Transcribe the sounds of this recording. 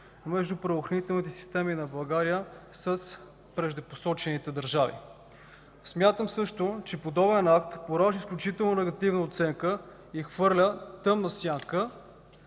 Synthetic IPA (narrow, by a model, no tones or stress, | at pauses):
mɛʒd̪upɾɐvoxɾɐnit̪ɛlˠnit̪ɛsi̥st̪ɛminɐblˠɐɡaɾiəsəs | pɾɛʒd̪əposɔt͡ʃɛnit̪ɛd̪əɾʒavḭ | smʲjat̪əmsɤʃt̪ot͡ʃɛpod̪ɔbɛnakt̪poɾaʒisklʲut͡ʃit̪ɛlˠnonɛɡɐt̪ivnəot̪sɛŋkə | ixvɤɾlʲət̪ɤmnɐsʲjaŋkə